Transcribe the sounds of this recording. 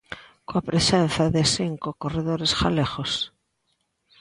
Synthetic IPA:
koapɾesen̟θaðesiŋkokoreðoɾesxaleɣos

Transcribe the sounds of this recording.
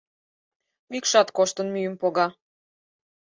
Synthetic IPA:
mikʃɑt̪koʃt̪ə̆nmyjəmpoɣɑ

